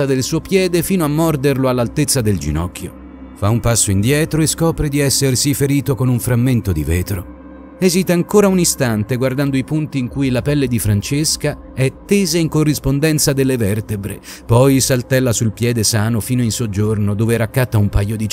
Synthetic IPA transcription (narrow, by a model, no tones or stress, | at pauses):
ad̪elsuːopjɛːd̪efiːnoamːɔrd̪erloalːalt̪et̪sːad̪eld͡ʒḭnɔkːjo | faumpasːoind̪jɛːt̪ɾoeskɔːpɾed̪iɛsːersifeɾiːt̪okonuɱfɾamːent̪od̪iveːt̪ɾo̰ | ɛzit̪aaŋkoːɾaunist̪ant̪eɡward̪and̪oipunt̪iːŋkujlapɛlːed̪ifɾant͡ʃeska | ɛt̪ːeːzaiŋkorːispond̪ɛnt̪sad̪elːevɛrt̪ebɾḛ | pɔjsalt̪ɛlːasulpjɛːd̪esaːnofiːnoinsod͡ʒːornod̪oːveɾakːat̪ːaumpajːod̪it͡ʃ